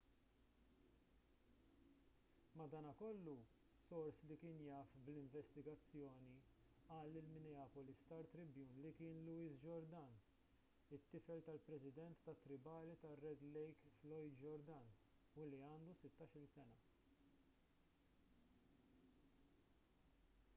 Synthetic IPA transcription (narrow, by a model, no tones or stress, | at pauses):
mɐd̪ɐːnɐkɔlːu | sɔɾslikɪːnjɐːfblɪɱvɛst̪ɪɡɐt͡sːjɔːni | ɐːlːɪlmɪnɛɐːpɔlist̪ɐɾt̪ɾɪbjuːnlikɪːnlʊiːsd͡ʒɔɾd̪ɐn | ɪt̪ːɪfɛlt̪ɐlpɾɛsɪd̪ɛnt̪ːɐt̪ːɾɪbɐːlit̪ɐrːɛd̪lɛjkflɔjd̪d͡ʒɔɾd̪ɐn | uliɐːnd̪usɪt̪ːɐʃɪlsɛnɐ